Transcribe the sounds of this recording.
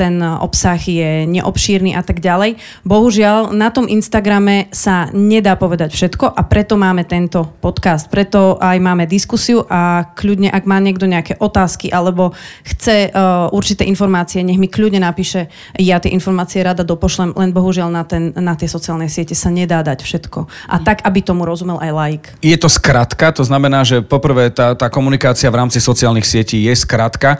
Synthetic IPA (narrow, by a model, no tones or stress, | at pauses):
t̪ɛnʔɔ̰psaɣjɛɲɛʔɔpʃiːɾniːʔat̪aɡɟalɛj | bɔɦuʒɪalnat̪ɔmʔinst̪aɡɾamɛsaɲɛd̪aːpɔʋɛd̪acfʃɛt̪kɔʔapɾɛt̪ɔmaːmɛt̪ɛnt̪ɔpɔt̪kast̪̚pɾɛt̪ɔajmaːmɛd̪iskusiuʔakʎudɲɛʔaɡmaːɲɪɛɡd̪ɔɲɛakɛʔɔt̪aːskiʔalɛbɔxt͡sɛʔuɾt͡ʃit̪ɛːʔinfɔɾmaːt͡siɛɲɛɣmikʎudɲɛnapiːʃɛ | jat̪jɛʔinfɔɾmaːt͡siɛɾad̪ad̪ɔpɔʃlɛmlɛnbɔɦuʒɪalnat̪ɛnːat̪jɛsɔt͡siaːlnɛjsɪɛcɛsaɲɛd̪aːd̪acfʃɛt̪kɔʔa̰t̪aɡabit̪ɔmuɾɔzumɛlʔajlajikjɛt̪ɔskɾat̪kat̪ɔznamɛnaːʒɛpɔpr̩ʋɛt̪aːt̪aːkɔmunikaːt͡siaʋɾaːmt͡sisɔt͡siɪaːlnixsɪɛciːjɛskɾat̪ka